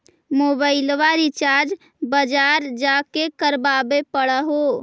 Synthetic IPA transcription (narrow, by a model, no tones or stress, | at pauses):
moːbaɪlʋaɾit͡ʃaːɾd͡ʒ | bəd͡ʒaːɾd͡ʒakekəɾbabepəɽəɦo